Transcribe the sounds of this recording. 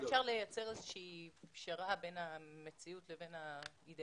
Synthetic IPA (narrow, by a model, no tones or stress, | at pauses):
efʃaʁle̞jat͡se̞ʁezeʃiːpʃaʁabe̞nhamet͡siutle̞ve̞nha | ide